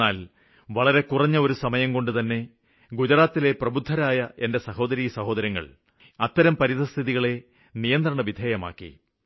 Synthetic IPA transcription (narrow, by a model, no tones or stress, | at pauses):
aːl | ʋɐɭɐɾe̞kurɐɲːɐo̞ɾusɐmɐjɐmko̞ɳɖɨt̪ɐnːe̞ | ɡud͡ʑɐɾaːt̪ːile̞prɐbud̪ʱːɐɾaːjɐʔe̞nde̞sɐho̞ːd̪ɐɾiːjɐsɐho̞ːd̪ɐɾjɐŋːɐ̰ɭ | ɐt̪ːɐɾɐmpɐɾisɐst̪ʰiðiɣɐɭe̞ | nijɐnd̪rɐɳɐʋid̪ʱeːjɐma̰ːkːḭ